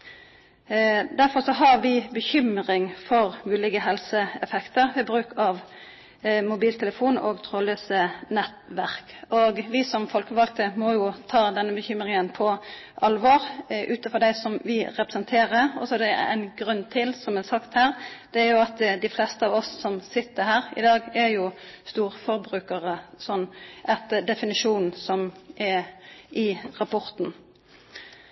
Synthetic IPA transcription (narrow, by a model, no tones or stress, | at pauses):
d̪æɾfɔɾsɔɦɑɾʋɪbəçʏmɾɪŋfɔɾmʉːlɪɡəɦɛlsəɛfɛkt̪əɾʋɛbɾʉːkɑʋ | mʊbiːlt̪ʰɛləfuːno̰ːɡt̪ʰʁoːløːsənɛt̪ʋæʁkoɡʋɪsɔmfɔlkəʋɑlkt̪əmɔjʊt̪ʰɑːd̪ɛnːəbəçʏmɾɪŋənpʰɔʔɑlʋɔɾʔʉːt̪fɔd̪æɪsɔmʋɪɾɛpɾəsənt̪ʰeːʁəɾɔ̰sɔd̪ɛ̰æ̰ɪnɡɾʉnːt̪ʰɪlsɔmɛsɑkt̪hæːʁd̪̥ɛæɾjʊɑt̪d̪ɪflɛst̪əɑʋɔsːɔmsɪt̪ːəɾhæːɾɪ̰d̪ɑːɡæjʊst̪uːʁfɔɾbɾʉːkəʁəsɔnːʔɛt̪d̪ɛfɪnɪʂuːn̩sɔmʔɛʔɪʁɑpʰɔʁt̪n